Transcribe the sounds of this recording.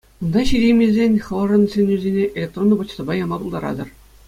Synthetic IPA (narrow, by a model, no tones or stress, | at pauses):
und̪ɑɕiɾʲejmʲezʲenʲχɤ̆lˠɤ̆ʐɤ̆nsʲenʲyzʲenʲeʔelʲek̚t̪ronːɤbɤ̆t͡ɕsɤ̆bɑjɑmɑpulˠd̪ɑɾɑ̰d̪ɤ̆r